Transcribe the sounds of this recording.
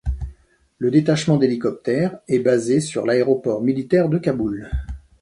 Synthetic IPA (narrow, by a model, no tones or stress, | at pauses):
ləd̪et̪aʃmɑ̃d̪elikɔp̚t̪ɛʁɛbazesyʁlaeʁɔpɔʁmilit̪ɛʁd̪əkabul